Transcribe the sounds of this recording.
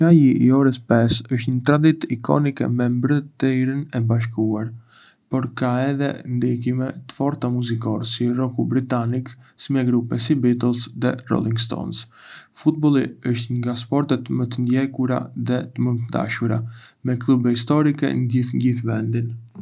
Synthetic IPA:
ajiʔiɔɾəspɛsəʃt̪ɲət̪ɾad̪it̪ikʰɔ̰nikɛ̰mɛmbɾət̪əiɾinɛbaʃ̬kuaɾ | pɔɾkaɛðɛ̰nd̪ik̬imɛt̪ə̥fɔɾt̪amuzikɔɾsirɔkubɾit̪aniksimɛɡɾupɛs̬ibit̪ɛlˠsðɛrɔ̰lˠiŋɡst̪ɔ̰ns | fut̪̚bɔlˠiəʃt̪ŋɡaspɔɾt̪ɛt̪mət̪ənd̪jɛkuɾa̰ðɛt̪əmənt̪əd̪a̰ʃuɾa̰mɛklˠubɛhis̬t̪ɔɾikɛ̰nəd̪iθnɟiθvɛnd̪in

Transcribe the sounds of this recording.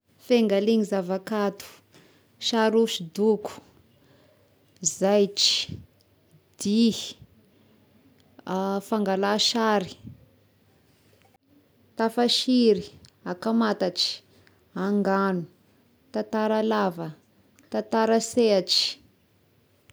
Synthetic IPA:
feŋɡaliɲizavakat̪u̥ | ʃaɾuʃid̪uku̥ | zajʈ͡ʂi̥ | d̪̥i | afaŋɡalaʃaɾi̥ | t̪afaʃiɾiakamat̪aʈ͡ʂi̥ | aŋɡanu | t̪at̪aɾalavə | t̪at̪aɾaseaʈ͡ʂi̥

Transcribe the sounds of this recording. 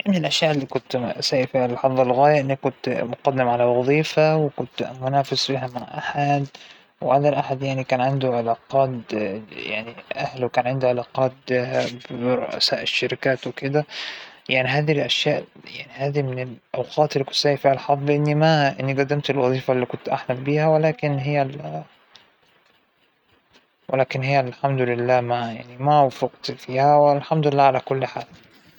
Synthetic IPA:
amenelʔæʃjaːʔelːiːkʊnt̪saːʔifiːhalħɑðˤɑlɣæːjaʔɪnːikːʊnt̪mʊqɑd̪ːɪmʕalawɑðˤiːfawɪkʊnt̪mʊnaːfɪsfiːɦæmaʕʔa̰ħad̪ | wʕad̪ælʔaħad̪jaʕnikæːnʕɪnd̪ʊʕelaːqɑːt̪jaʕniʔahlwekaæːnʕɪnd̪ʊʕalɑːqɑːt̪̚ | ɾˤo̰ʔa̰saːʔɪʃːaɾɪkaːt̪wɪkɪd̪æjaʕniɦæːðiilʔaʃjaːʔjaʕnihæːðimɪnelʔawqʰɑːt̪elːikʊ̥t̪sæːjifiːhʕlħɑdˤːʔɪnːimæʔɪnːiɡæd̪ːamt̪elwɑðˤiːfalːiːkʊnt̪ʔaħmælbiːhæwelæːkɪnɦɪjːæl | wɪ̰læːkɪnhejːælħamd̪ʊlɪlːæːmajaʕnimæwfʊqt̪fiːhæwɪlħamd̪ʊɪlːæːʕalækʊlːħaːl

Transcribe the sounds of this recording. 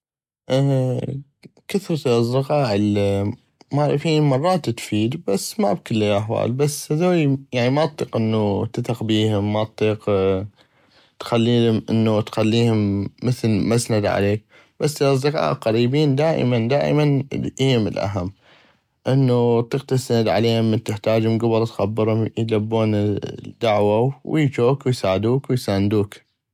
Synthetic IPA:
ʔ | kɪθɾt̪lɑzˤːɪqɑːʔɪl | maʕɾˤɑfiːnmɑrˤːɑːt̪t̪fiːd̪basːmabkəlːiʔaħwa̰ːlbasːhaðaːijaʕnimat̪ˤːiːqʔənːut̪ɪt̪ɑqbiːhʊmːat̪ˤːiːq | t̪xalːiːʊmʔɪ̰nːut̪xalːiːhʊmːəθlmasnad̪ʕa̰leːk̚ | b̥asːlazːaka̰ːʔlqɑɾiːbiːnd̪aːʔmand̪a̰ːʔmaniːmə̰lʔa̰ɦamː | ʔɪnːut̪ˤːiːq̚t̪ast̪anad̪ʕa̰leːhʊmːɪnt̪ɪħt̪aːd͡ʒhʊmɡʊbɨɾˤt̪xabːɨɾhʊmjlabːuːnd̪aʕwawjd͡ʒoːkwɪjsaːʕd̪uːkwɪjsaːnd̪uːk

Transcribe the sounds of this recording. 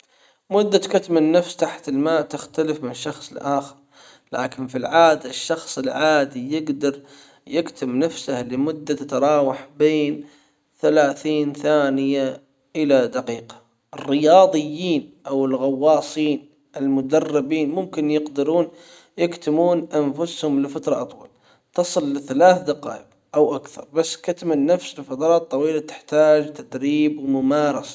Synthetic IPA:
mʊd̪ːakat̪manːafst̪aħt̪ɪlmaːʔt̪ɪxt̪alɪfmɪnɪʃːɑxsˤɪlʔaːxɪɾ | la̰ːkɪnfilʕaːd̪aɪʃːɑxsˤɪlʕaːd̪ijɪɡd̪ɑɾˤ | jɪkt̪ʰɪmnafsahlɪmʊd̪ːat̪ɪt̪ɾˤɑːwaħbeːn | θalaːθiːnθaːnɪja | ʔɪlad̪aqiːqḁ | ʔɪrːɪjɑːðˤɨjːiːnʔawɪlɣɑwːɑːsˤiːn | ʔɪlmʊd̪ɑrˤːɪbiːnmʊmkɪnjɪqd̪ɪɾuːn | jɪkt̪ɪmuːnʔanfʊshʊmlɪfat̪ɾˤɑʔɑt̪ˤwɑ̰l | t̪ɑsˤɨlːɪθalaːθd̪aqɑ̰ːʔɪb | ʔawʔakθɑ̰ɾˤbasːkat̪manːafsɪlfɑt̪ɾˤɑːt̪ˤːɑwiːlat̪ɪ̥ħt̪aːd͡ʒt̪ad̪ɾiːbwmʊmɑːɾˤɑsḁ

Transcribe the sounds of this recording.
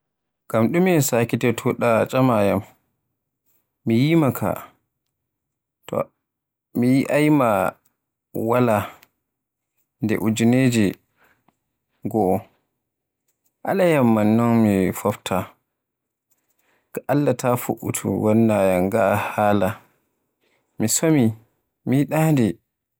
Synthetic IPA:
ɡ̥amɗuminsaːkitɛtʰuɗat͡ʃʼamajam | mijimakʰa̰ | tɔ̰ | mijiʔajma | wala | ndɛ̰ʔud͡ʒuned͡ʒi | ɡɔ | ʔa̰lajamːanːɔnmifɔftʰa | kaʔalːatʰafṵʔṵtʰṵwɔnːajaŋɡaʔhaːla | misomi | miɗandɛ

